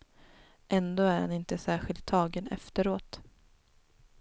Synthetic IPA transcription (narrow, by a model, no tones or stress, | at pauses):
ʔɛnd̪oːæɾha̰nɪnt̪əsæːɧɪlt̪ʰːɑːɡənɛ̰ft̪əɾoːt̪